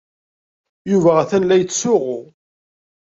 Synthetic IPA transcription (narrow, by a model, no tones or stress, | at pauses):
juvæʁæθænlæjət͡sːsʊʁʊ